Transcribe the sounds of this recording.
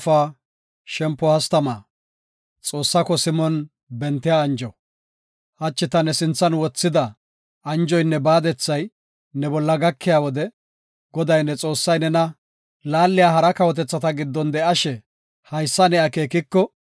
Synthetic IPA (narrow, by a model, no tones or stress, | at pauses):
faː | ʃɛmpːɔhɐst̪ɐmaː | t͡sʼo̞ːsːɐkɔsɪmɔn | bɛnt̪ːɪjaːnd͡ʒɔ | hɐt͡ʃːɪt̪ɐnɛsɪnt͡sːɐnwɔt͡sːɪd̪ɐ | ɐnd͡ʒɔjnːɛbaːd̪ɛt͡sːɐj | nɛbɔlːɐɡɐkʰːɪjawɔd̪ɛ | ɡ̥ɔd̪ɐjnːɛt͡sʼo̞ːsːɐjnɛnɐ | laːlːɪjaːɦɐɾɐkɐwɔt̪ɛt͡sːɐt̪ɐɡɪd̪ːɔnd̪ɛɐʃɛ | hɐjsːɐnɛjake̞ːkɪkːɔ